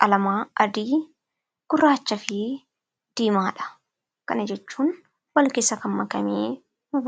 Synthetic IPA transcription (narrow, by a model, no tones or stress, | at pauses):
ɐlɐmaːɐd̪iː | ɡ̥ʊrːaːt͡ʃːɐfɪ | d̪̥iːmaːᶑɐ̥ | kɐnɐd͡ʒɛt͡ʃːuːn | wɐlkɪsɐkɐmːɐkɐmeː | mɐb